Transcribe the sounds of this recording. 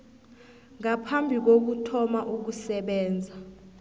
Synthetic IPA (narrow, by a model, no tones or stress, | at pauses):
ŋapʰambʱik̬ok̬utʰɔmaʔuk̬usɛɓɛːnd͡zʱa